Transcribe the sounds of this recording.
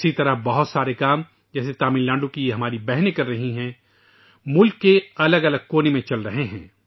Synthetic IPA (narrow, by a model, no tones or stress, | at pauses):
sit̪ɐɾəbɐɦʊt̪saːɾekaːm | d͡ʒɛːset̪aːmɪnlãːɳɖõkijeɦɐmaːɾibɛɦnekɐɾːɐɦiɦɛ̃ː | mʊlkːeɐləɡɐləɡ̚koːnemẽt͡ʃɐlɾɐɦeɦɛ̰̃ː